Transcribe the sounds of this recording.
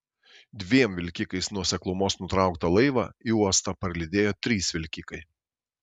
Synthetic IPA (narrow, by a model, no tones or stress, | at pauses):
d̪ʲʋʲiɛmʋʲɪlʲkʲɪkɐɪsnuɔsʲɛklˠʊmoːsnʊt̪ɾɑˑʊkt̪ɐlˠɐɪʋɑ̰ːiuɔst̪ɐpɐɾʲlʲɪd̪ʲeːjoːt̪ʲɾʲiːsʋʲɪlʲkʲikɐɪ